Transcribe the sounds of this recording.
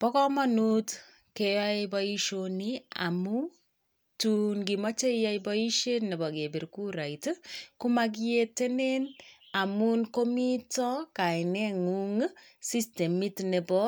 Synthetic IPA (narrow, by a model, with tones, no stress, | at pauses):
pɔ˦kɔma˦nu˦t | keja˦bɔi˦ʃonia̰˨mu˦ | tunɡi˨mɔ˦t͡ʃe˦ja˦jbɔi˦ʃe˦tnɛ˨bɔ˨ke˨bi˨ɾku˦ɾa˨itku˦mak̬iete˦ne˦n | a˨mu˦nko˦mi˦tɔ˦ka˨ɪnɛ˦ŋu˦ŋ | si˦ste˨mi˦tne˨bɔ